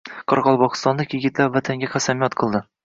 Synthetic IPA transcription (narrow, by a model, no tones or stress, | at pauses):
qʰɒɾʁɒlˠbɒqɨ̥st̪ɒnlˠɪkjɪɡʲɪt̪læpvæt̪ʰaŋɡʲaqʰæsamijɒt̪qʰɤ̆lˠd̪ɪ